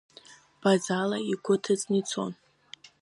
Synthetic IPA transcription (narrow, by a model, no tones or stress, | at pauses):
b̥azalaiɡʷʊtʰɨt͡snit͡sʰo̞̰n